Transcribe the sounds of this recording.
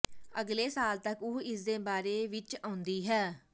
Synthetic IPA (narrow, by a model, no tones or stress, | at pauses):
əɡleːsaːlt̪əkʊɪsd̪eːbaːɾeːʋɪt͡ʃãːʊnd̪iːɦɛː